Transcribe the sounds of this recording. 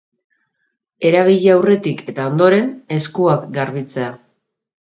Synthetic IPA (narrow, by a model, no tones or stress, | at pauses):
e̞ɾaβ̞iʎeawre̞t̪ike̞t̪ao̞nd̪o̞ɾe̞ne̞skuakɡaɾβit͡se̞a